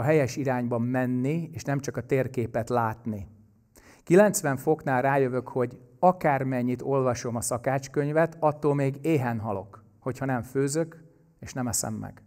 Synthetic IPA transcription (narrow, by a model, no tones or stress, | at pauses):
ɒɦɛjɛʃiɾaːɲbɒmːɛnːieːʃnɛmt͡ʃɒkɒt̪eːrkeːpɛt̪laːt̪ni | kilɛnt̪sʋɛɱfo̞kn̪aːlraːjøvø̞kho̞ɟɒkaːrmɛɲːit̪o̞lvɒʃo̞mɒsɒkaːt͡ʃkø̞ɲvɛt̪ɒt̪ːoːlmeːɡeːɦɛnɦɒlo̞k | ho̞chɒnɛɱføːzøk | eːʃnɛmɛsɛ̰mːɛ̰ɡ̥